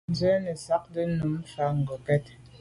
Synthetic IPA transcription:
n̩˨zə˦nə˨sa˦k̚də˦nu˨˦m˦fa˨˦ŋ̩˨ɡɔ˨kɛ˦t̚

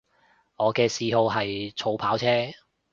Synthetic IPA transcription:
ŋɔː˨˧kɛː˧siː˨˧ɦo˧wɦɐ˨jt͡sʰo˨˧wpʰaː˨˥wt͡sʰɛː˥

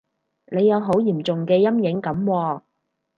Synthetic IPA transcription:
ne˨˧jːɐ˨˧wɦo˨˥wjiː˨˩mt͡sʊ˨ŋkɛː˧jɐ˥mjɪ˨˥ŋkɐ˨˥mwɔː˧

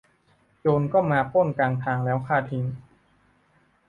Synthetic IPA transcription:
t͡ɕoː˧nkɔː˥˩maː˧pʰoː˥˩nkaː˧ŋt̪ʰaː˧ŋlɛː˦˥wkʰaː˥˩t̪ʰi˧˦ŋ

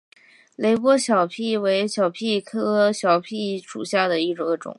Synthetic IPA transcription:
le˧˥ɪpwɔ˥ɕjɑ˨˩ʊpʰi˥˩we˧˥ɪɕjɑ˨˩ʊpʰi˥˩kʰɤ˥ɕjɑ˨˩ʊpʰi˥˩ʂṵ˨˩ɕja˥˩d̪ə˩i˥˩ʈ͡ʂɔ˧˥ʈ͡ʂʊ̰˨˩˦ŋ

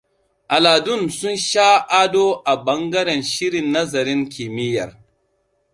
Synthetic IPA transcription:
ʔa˨laː˨dʊ˦˨nsʊ˦nʃaː˦ʔaː˦doː˦ʔa˨bɐ˦ŋɡɐ˦ɾɛ˨nʃɪ˦ɾɪ˨nːɐ˦zɐ˨ɾɪ˦ŋkʰʲi˨mɪ˦jɐ̰˨r

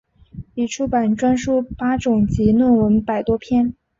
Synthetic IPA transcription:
i˨˩ʈ͡ʂʰu˥˩pa˨˩nʈ͡ʂwa˥nʂu˥pa˥ʈ͡ʂʊ˨˩ŋt͡ɕi˧˥nwə˥˩nwə˧˥npa˨˩ɪt̪wɔ˥pʰjɛ˥˩n

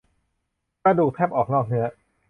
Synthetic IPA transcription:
pɾa˧duː˨˩k̚t̪ʰɛ˦˥˩p̚ʔɔː˨˩k̚nɔː˥˩k̚nɯ˦˥ɐ

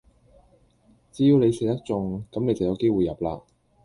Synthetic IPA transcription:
t͡siː˨˥jiː˨˧wne˨˧jsɪ˨k̚t̪ɐ˥k̚t͡sʊ˨ŋkɐ˨˥mne˨˧jt͡sɐ˨wjɐ˨˧wke˥jwu˨jɐ˨˩p̚la̰ː˧

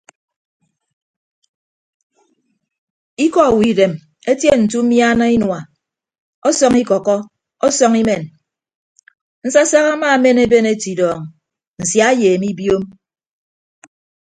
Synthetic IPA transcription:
i˦kɔ˨wi˨de˨m | e˦tje˦n̩˨tu˦mja˦na˦i˦nwa˨ | ɔ˦sɔ˦ŋi˦kɔ˨kɔ˦ | ɔ˦sɔ˦ŋi˦me˨n | n̩˦sa˦sa˦ɣa˦ma˦˨˦me˦ne˦be˦ne˦ti˨dɔː˨ŋ˨ | n̩˨sja˦jeː˨mi˦bjo˦m

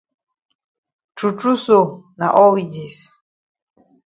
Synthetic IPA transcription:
ʈ͡ʂʰu˨ʈ͡ʂu˦so˨na̰˨ʔɔ˦wi˨d͡ʒi˨s

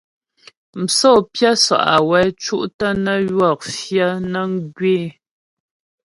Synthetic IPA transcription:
m̩˨sɔ˦˨pja˦swa̰˨ʔa˨wɛ˨˦t͡ʃu˦ʔtə˦nə˦jwɔ˦˨k̚fjə˦nə˦ŋ˦ɡɥeː˦˨

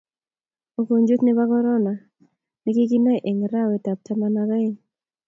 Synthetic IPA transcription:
o˨ko˨ɲd͡ʒu˦t̪ni˦ba˦kɔ˦ɾɔ˦na˨ | ni˦ki˦ki˦nɔ˦˨ʔe˨ŋɾa˦wɛ˨ta˨p̚ta˦ma˦naɾa˦i

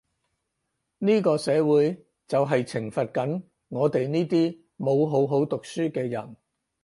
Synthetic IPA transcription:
niː˥kɔː˧sɛː˨˧wuː˨˥j | t͡sɐ˨wɦɐ˨jt͡sʰɪ˨˩ŋfɐ˨t̚kɐ˨˥n | ŋɔː˨˧t̪e˨jniː˥t̪iː˥ | mo˨˧wɦo˨˥wɦo˨˥wt̪ʊ˨k̚syː˥kɛː˧jɐ̰˨˩n

